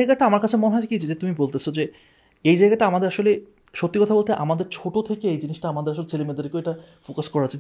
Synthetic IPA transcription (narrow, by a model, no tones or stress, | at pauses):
jɡaʈaamaɾkat͡ɕʰemoneɦɔed͡ʑekid͡ʑʰed͡ʑet̪umibolt̪et͡ɕʰod͡ʑe | ejd͡ʑajɡaʈaamad̪eɾaʃole | ʃot̪ːikɔt̪ʰabolt̪ʰeʔa̰mad̪eɾt͡ɕʰoʈot̪ʰekeejd͡ʑiniʃʈaamad̪eɾaʃolet͡ɕʰelemed̪aɾekeeʈa | fokaskɔɾaot͡ɕʰe